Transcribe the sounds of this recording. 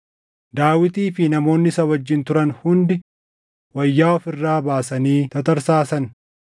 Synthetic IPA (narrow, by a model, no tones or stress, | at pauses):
d̪aːwɪt̪iːfɪnɐmo̞ːnːɪsɐwɐd͡ʒːɪnt̪ʊɾɐnhʊnd̪ɪ | wɐjːaːɔfɪrːaːbaːsɐniːt̪ɐt̪ɐɾsaːsɐn